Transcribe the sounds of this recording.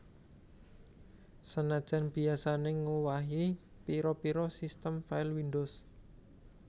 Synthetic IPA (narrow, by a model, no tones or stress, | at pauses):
sənad̥ʒ̥a̤nb̥i̤asaneŋowaɦi | piɾɔpiɾɔsist̪əmfaɪlwindos